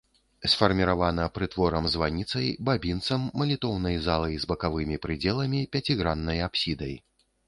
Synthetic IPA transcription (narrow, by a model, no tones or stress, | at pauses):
sfɐrmʲiɾavanɐpɾɨt̪vɔɾɐmzvanʲit̪sɐjbabʲint̪sɐmːɐlʲit̪ɔwnɐjzalˠɐjzbɐkavɨmʲipɾɨd͡zʲɛlˠɐmʲipʲat͡sʲiɣɾanːɐjapsʲid̪ɐj